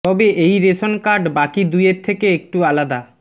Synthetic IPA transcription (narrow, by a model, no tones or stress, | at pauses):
t̪ɔbeʔejɾeʃonkaɾɖbakid̪ujeɾt̪ʰekeek̚ʈualad̪a